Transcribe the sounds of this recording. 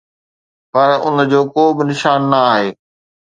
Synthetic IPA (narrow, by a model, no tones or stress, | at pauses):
pɐɾʊ̰nə̆d͡ʑoːkoːbɪnɪʃaːnːɐaːɦeː